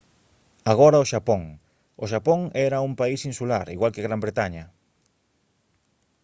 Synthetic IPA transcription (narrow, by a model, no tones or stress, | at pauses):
aɣɔɾɐoʃapoŋ | oʃapoŋɛɾɐumpaisinsulaɾḭɣwalkeɣɾambɾet̪aɲɐ